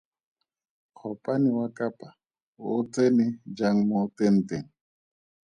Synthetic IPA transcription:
k͡xʰɔpʼaniwakapʼa | ʊt͡senɪd͡ʒaŋ̩mɔt̪en̩t̪eŋ̩

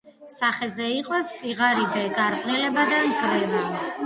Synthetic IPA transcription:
saχɛzɛiqʼɔsiʁaɾibɛɡaɾpʼnilɛbad̪anɡɾɛba

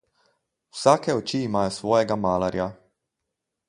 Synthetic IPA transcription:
wsaːkeot͡ʃiːmaːjosʋɔːjeɡamaːlaɾja

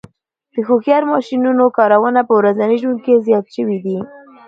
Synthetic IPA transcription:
d̪̥əxoxjɑɾmɑʃinunokɑɾawənapəwɾazaniʒwund̪̚kezjɑt̪ʃəwid̪i

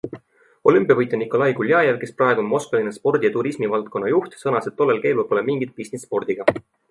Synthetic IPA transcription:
o̞lympijɑvɤjt̪ːˑɑnikˑo̞lɑjkulʲjɑːjevke̞sprɑe̞ɡ̥uonmo̞skɑlinespo̞rd̪̥ʲijɑt̪uɾismivɑlt̪̚ko̞nːɑjuht̪sɤnɑse̞t̪ːo̞lːe̞lke̞jlulpo̞lemiŋɡ̥it̪̚pisnisːpo̞rd̪̥iɡ̥ɑ

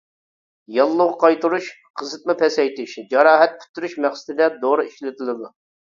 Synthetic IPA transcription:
jɑlˠːʊʁəqʰɑjt̪uɾuʃ | qʰəzɨt̪̚mɨpʰɛsɛjt̪ʰɪʃd͡ʒɑɾɑːɦɛt̪̚pʰy̥t̪ːyɾyʃmæχsɪ̥t̪ɪd̪ɛd̪oɾɨiʃlɪt̪ʰɪlˠɨd̪u

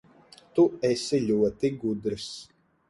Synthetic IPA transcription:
t̪uɛsilʲuɔt̪iɡud̪ɾɨs

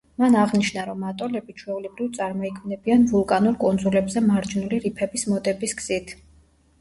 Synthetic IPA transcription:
manaʁniʃnaɾɔmat̪ʼɔlɛbit͡ʃʰwɛulɛbɾivt̪sʼaɾmɔikʰmnɛbianvulˠkʼanuɾkʼɔnd̪zulɛbzɛmaɾd͡ʒnuliɾipʰɛbismɔd̪ɛbisɡz̥it̪ʰ

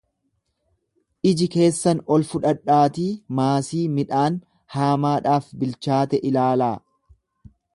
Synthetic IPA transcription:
ʔɪd͡ʒɪke̞ːsːɐnɔlfʊᶑɐᶑːaːt̪iːmaːsiːmɪᶑaːn | haːmaːᶑaːfbɪlt͡ʃaːt̪ɛʔɪlaːlaː

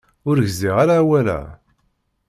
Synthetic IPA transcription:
ʊɾʝziʁaɾaːwælæ̰

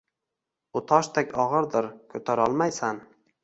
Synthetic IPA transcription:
ʊt̪ʰɒʃt̪ʰakʲɒʁɨɾd̪ɪɾkʰɵt̪ʰaɾɒlˠmajsan

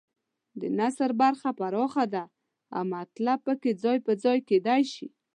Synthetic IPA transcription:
d̪ənasəɾbaɾxapaɾɑxad̪a | a̰wmat̪lab̚pəked͡zɑjpəd͡zɑjked̪ajʃi

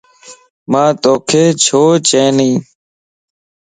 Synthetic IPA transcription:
mãːt̪oːkʰeːt͡ʃʰoːt͡ʃẽːnĩː

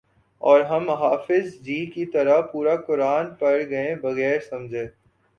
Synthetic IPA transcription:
ɔːɾɦɐmɦaːfɪzd͡ʒiːkit̪ɐɾapuːɾakʊɾaːnpɐɽɡɐẽbɐɣɛːɾsɐ̃md͡ʒʱẽː

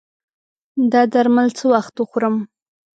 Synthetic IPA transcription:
d̪ɑd̪aɾmalt͡səwaxt̪wəxoɾəm

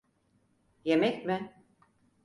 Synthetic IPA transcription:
jemɛcʲmɪ

